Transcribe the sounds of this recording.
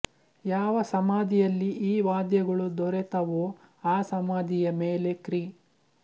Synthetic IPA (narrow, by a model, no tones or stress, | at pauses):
jaːʋɐsɐmaːd̪ijɐlːiʔiːʋaːd̪jɐɡɐɭud̪ɔɾet̪ɐʋoː | aːsɐmaːd̪ijɐmeːlekɾiː